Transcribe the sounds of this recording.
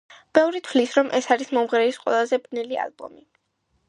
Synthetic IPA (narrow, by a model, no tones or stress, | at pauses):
b̥ɛvɾit̪ʰvlisɾɔmʔɛsaɾismɔmʁɾɛisqʼwɛ̰lˠazɛbnilia̰lbɔ̰mi